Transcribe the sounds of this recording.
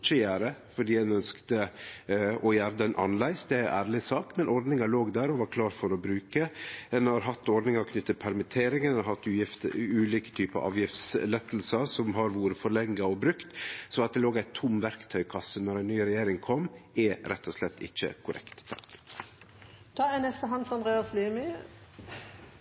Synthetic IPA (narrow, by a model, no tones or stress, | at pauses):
t͡ʃːəjæːɾəfɔɖiːɛnœnskt̪ə | ɔjæːɾd̪əɛnʔɑ̰nlæɪsd̪ɛæʔæ̰ːɾlɪsɑːkmɛnʔɔɾd̪nɪŋɑɭoːɡd̪æːɾɔʋɑɾkʰlɑːɾfɔɾɔbɾʉːkəɛnhɑɾɦɑt̪ːɔɾɖ̪nɪŋɑɾɔkʰnʏt̪ːəpʰæɾmɪt̪ʰeːɾɪŋɛnhɑt̪ːʉːjɪft̪ʉːliːkə̥t̪ʰyːpəɑ̰ʔɑ̰ːʋjɪft̪slɛt̪ːl̩səɾsɔmɦɑɾʋuːɾəfɔɾɭɛŋɡəɔbɾʉkt̪sɔɑt̪̚d̪ɛloːɡæɪt̪ʰʊmʋæɾkt̪ʰœʏkʰɑsːənɔɾæɪnyːɾɛjeːɾɪŋkʰɔmɛɾɛt̪ːɔslɛt̪ːɪ̰çːə̰kʰʊɾʔɛ̰kt̪t̪ʰːɑ̥̰k | t̪ʰɑɛnɛst̪əɦɑnsɑnd̪ɾeːɑslyːmɪ